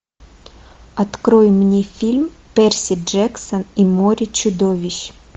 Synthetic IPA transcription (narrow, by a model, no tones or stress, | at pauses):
ɐt̪kɾojɪmːnʲefʲilʲm | pʲɛrsʲɪd͡ʐɛksənimoɾʲɪt͡ɕʊd̪ovʲɪɕ